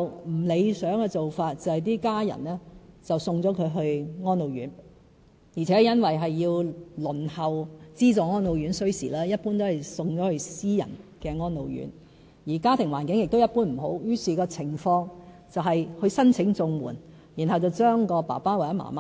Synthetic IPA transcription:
m̩˨˩le˨˧jsœː˨˥ŋkɛː˧t͡so˨wfaː˧t̚t͡sɐ˨whɐ˨jt̪iː˥kaː˥jɐ̰˨˩nlɛː˥t͡sɐ˨wsʊ˧ŋt͡sɔː˨˥kʰɵ˨˧ɥɦɵ˧ɥŋɔː˥nlo˨˧wjy̰ː˨˥n | jiː˨˩t͡sʰɛ˨˦˥jɐ˥nwɐ˨jɦɐ˨jːiː˧wlɵ˨˩nhɐ˨wt͡siː˥t͡sɔː˨˩ŋɔː˥nlo˨˧wɥyː˨˥nsɵ˥ɥsḭː˨˩lɛː˥jɐ˥t̚puː˥nt̪o˥whɐ˨˩jsʊ˧ŋt͡sɔː˨˥hɵ˧ɥsiː˥jɐ̰˨˩nkɛː˧ŋɔː˥nlo˨wjy̰˨˥n | jiː˨˩kaː˥t̪ʰɪ˨˩ŋwaː˨˩nkɪ˨˥ŋjɪ˨k̚t̪o˥wjɐ˥t̚puː˥nm̩˨˩ɦo˨˥wjyː˥siː˨˩kɔː˧t͡sʰɪ˨˩ŋfɔː˧ŋ | t͡sɐ˨wɦɐ˨jhɵ˧sɐ˥nt͡sʰɪ˨˧˥ŋt͡sʊ˨ŋwuː˨˩n | jiː˨˩nɦɐ˨wt͡sɐ˨wt͡ʃœː˥ŋkɔː˧pa̰ː˨˩paː˥waː˨˩jɐ˨˥ma̰ː˨˩maː˦˥

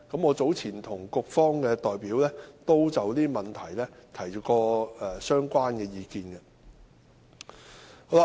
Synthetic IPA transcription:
kɐ˨˥mŋɔː˨˧t͡so˨˥wt͡sʰiː˨˩nt̪ʰʊ˨˩ŋkʊ˧k̚fɔː˥ŋkɛː˧t̪ɔː˨jpiː˨˥wlɛː˥t̪o˥wt͡sɐ˨wt̪iː˥mɐ˨nt̪ʰɐ˨˩jlɛː˥t̪ʰɐ˨˩jɔ˨kɔː˧ɛ˨˩sœː˥ŋkʷaː˥nkɛː˧jiː˨˧kiː˧nkɐ˧ | ho˨˥wla˧

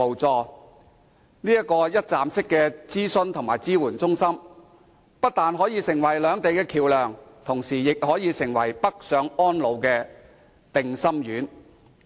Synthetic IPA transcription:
o˨wt͡sɔː˧ | niː˥jɐ˥kːɔː˧jɐ˥t̚t͡saː˨msɪ˥kːɛː˧t͡siː˥sɵ˧nt̪ʰʊ˨˩ŋmaː˨˩jt͡siː˥wuː˨˩nt͡sʊ˥ŋsɐ˥m | pɐ˥t̚t̪aː˨nɦɔː˨˥jiː˧sɪ˨˩ŋwɐ˨˩jlœː˨˧ŋt̪e˨jkɛː˧kʰiː˨˩wlœː˨˩ŋt̪ʰʊ˨˩ŋsiː˨˩jɪ˨k̚hɔː˨˥jiː˨˧sɪ˨˩ŋwɐ˨˩jpɐ˥k̚sœː˨˧ŋɔː˥nlo˨˧wkɛː˧ | t̪ɪ˨ŋsɐ˥mjyː˨˥n

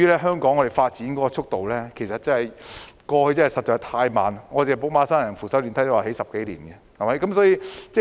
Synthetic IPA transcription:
yː˥lɛː˥ɦœː˥ŋkɔː˨˥ŋɔː˨˧e˨jfaː˧t̚t͡siː˨˥nkɔː˨˦˥kɔː˧t͡sʰʊ˥k̚t̪o˨wlɛː˥kʰe˨˩jsɐ˨t̚t͡sɐ˥nhɐ˨jkɔː˧hɵ˧ɥt͡sɐ˥nhɐ˨jsɐ˨t̚t͡ʃɔː˧k̚t̪ʰaː˧jma̰ː˨˧nŋɔː˨˧t͡seː˨˩po˨˥wmaː˨˧˥saː˥nɐ˨˩ŋfuː˨˩sɐ˨˥wliː˨˩nʰɐ˨˥jtɔ˥˩aː˨˩he˨˥jsɐ˨p̚ke˨˥jlḭː˨˩nɡɛ˧hɐ˨˩mɐ˨˥jkɐ˨˥msɔː˨˥jiː˧t͡sɛː˥˩

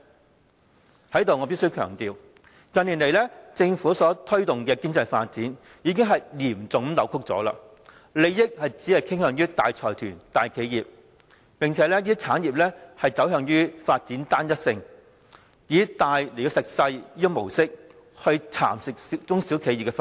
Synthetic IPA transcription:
hɐ˨˥jt̪o˨wŋɔː˨˧pi˥sɵ˥ɥkʰœː˨˩ŋt̪iː˨w | kɐ˧nli˨˩nle˨˩jlɛː˥t͡sɪ˧ŋfuː˨˥sɔː˨˥t̪ʰɵ˥ɥt̪ʊ˨ŋkɛː˧ki˥ŋt͡sɐ˧jfa̰ː˧t̚t͡siː˨˥n | jiː˨˧k̬ɪ˥ŋɦɐ˨jliː˨˩mt͡sʊ˨ŋ˦lɐ˨˥wkʰʊ˥k̚t͡sɔ̰ː˨˥la̰ː˧ | le˨˧jjɪ˥k̚hɐ˨jt͡siː˨˥ɐ˨jkʰɪ˥ŋhœː˨˧ŋɥyː˥t̪aː˨jt͡sʰɔː˨˩jt̪ʰyː˨˩nt̪aː˨jkʰe˨˧jjiː˨˩p̚ | pɪ˨ŋt͡sʰɛː˨˥lɛː˥liː˥t͡sʰaː˨˥nji˨p̚lɛː˥hɐ˨jt͡sɐ˨˥wɦœː˧ŋjyː˥faː˧t̚t͡siː˨˥nt̪aː˥njɐ˥t̚sɪ˧ŋ | jiː˨˧t̪aː˨jle˨˩˧sɪ˨k̚sɐ˧jiː˥jɪ˥mo˨˩wsɪ˥k̚ | hɵ˧ɥt͡sʰa̰ː˨˩msɪ˨k̚t͡sʊ˥ŋsiː˨˥wkʰe˨˧ji˨pkːɛ˧

